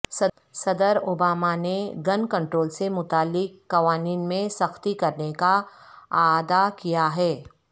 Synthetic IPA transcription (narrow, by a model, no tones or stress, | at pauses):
sɐ | sɐd̪əɾobaːmaneɡɐnkɐ̃ɳʈɾoːlsemʊt̪aːlːɪkːɐʋaːniːnmẽsɐxt̪ikɐɾnekaaːd̪akijaɦɛː